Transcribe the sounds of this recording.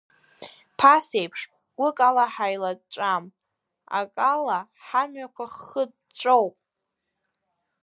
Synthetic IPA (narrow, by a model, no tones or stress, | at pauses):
pʰasejpʰʂ | ɡ̥ʷʊkʼalaħajlaʈ͡ʂʷʼam | a̰kʼala | ħamɥakʷʰaχəd | ʈ͡ʂʷʼowpʼ